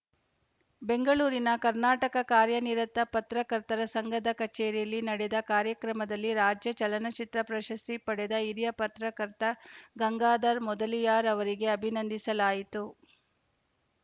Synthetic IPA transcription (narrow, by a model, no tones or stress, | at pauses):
be̞ŋɡɐɭuːɾinɐkɐɾnaːʈɐkɐkaːɾjɐniɾɐt̪ːɐpɐt̪ɾɐkɐɾt̪ɐɾɐsɐŋɡɐd̪ɐkɐt͡ʃeːɾijɐlːinɐɽed̪ɐkaːɾjɐkɾɐmɐd̪ɐlːiɾaːd͡ʒjɐt͡ʃɐlɐnɐt͡ʃit̪ɾɐpɾɐʃɐst̪ipɐɽɛd̪ɐiɾjɐpɐt̪ɾɐkɐɾt̪ɐɡɐŋɡaːd̪ɐɾmɔd̪ɐlijaːɾɐʋɐɾiɡe̞ɐbʱinɐnd̪isɐlaːjit̪u